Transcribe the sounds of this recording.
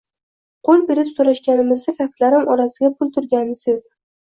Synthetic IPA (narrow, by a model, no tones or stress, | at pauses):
qʰolˠbe̞ɾɪpsoɾaʃɡʲanɪmɪzd̪akʲʰaft̪laɾɪmɒɾasɪɡʲapʰʊlˠt̪ʰʊɾɡʲanɪsɪz̥